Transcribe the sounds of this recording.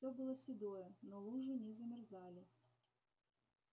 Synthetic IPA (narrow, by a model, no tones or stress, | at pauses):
obɨlˠəsʲɪd̪ojɛnolˠuʐɨnʲɛzəmʲɪrzalʲɪ